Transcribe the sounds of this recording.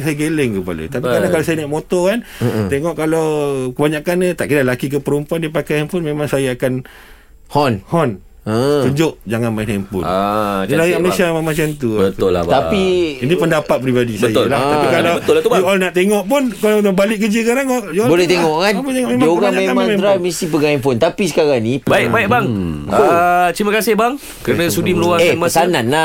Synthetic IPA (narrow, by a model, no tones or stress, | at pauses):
sajaɡelɪŋkəpa̰lə̰t̪apikaɾnakalas̬ajanaʔmot̪ɔkant̪eŋɔʔkalawkəbaɲakanat̪aʔkidalakik̬əpəɾumpuandiapakajɛmpunmẽmãŋsajaːkan | hɔnhɔn | t̪uɲd͡ʒʊʔd͡ʒaŋanmainampṵalajaməlesiamamat͡ʃaŋt̪̬uət̪ʊla̰t̪apiinipəndapat̪̚pɾibadisbəajʊllaaikalabəʊlat̪ubjuʔɔlnaʔt̪eŋɔʔpunkalanabalɪʔ̚kəd͡ʒiskaɾaŋɔjuɔbolɛht̪eŋɔʔkanput̪eŋɔʔmemaoɡaɲaamãmeɾamisip̬əɡaamfʊnt̪apisə̥kaɾaŋnibaɪkbaɪk̚baŋ | t͡ʃɾimakasɪhbaŋ | kəɾənãsudiməluaeanmasanãnla